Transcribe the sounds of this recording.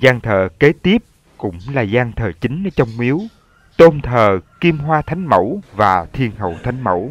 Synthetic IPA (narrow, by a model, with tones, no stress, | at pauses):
zaː˧ŋt̪ʰə̰ː˧˨ke˨˦˥t̪i˦˥əp̚ | kʊ̰˧˥ŋ͡mlaː˨˩zaː˧ŋt̪ʰəː˨˩t͡ɕï˨˦ŋ̟nəː˨˦t͡ɕɔ˧wŋ͡mmi˨˦əw | t̪o˧nt̪ʰəː˨˩ki˧əmɦwaː˧t̪ʰa˨˦jŋ̟mə˧˩wvaː˨˩t̪ʰi˧ənɦə̰˧˨wt̪ʰa˨˦jŋ̟mə̰˧˩˨w